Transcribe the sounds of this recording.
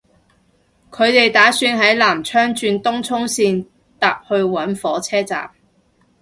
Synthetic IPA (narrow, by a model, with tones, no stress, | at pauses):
kʰɵ˨˧ɥt̪e˨jt̪aː˨˥syː˧nɦɐ˨˥jlaː˨˩mt͡ʃʰœː˥ŋt͡ʃyː˧nt̪ʊ˥ŋt͡sʰʊ˥ŋsiː˧n | t̪aː˨p̚hɵ˧ɥwɐ˨˥nfɔː˨˥t͡sʰɛː˥t͡sa̰ː˨m